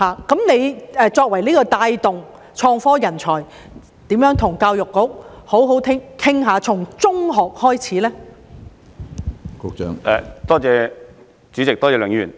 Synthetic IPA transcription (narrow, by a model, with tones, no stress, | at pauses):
haː˨kɐ˨˥mne˨˧jɛː˨˧t͡sɔː˧k̚wɐ˨˩jliː˥kɔː˧t̪aː˧jt̪ʊ˨ŋ | t͡ʃʰɔː˧ŋfɔː˥jɐ˨˩nt͡sʰɔː˨˩j | t̪iː˨˥mjœː˨˥ŋt̪ʰʊ˨˩ŋkaː˧wjʊ˨kːʊ˨˥k̚ho˨˥wɦo˨˥wt̪ʰɪ˥ŋkʰɪ˥ŋɦaː˨˧t͡sʰʊ˨˩ŋt͡sʊ˥ŋɦɔː˨k̚hɔː˥jt͡sʰiː˨˥lɛː˥ | kʊ˧k̚t͡ʃœ̰ː˨˥ŋʔɛ̰˨t̪ɔː˥t͡sɛː˧ | t͡syː˨˥t͡sɪ˨k̚t̪ɔː˥t͡sɛː˨˧lœ˨˥ŋjyː˨˩n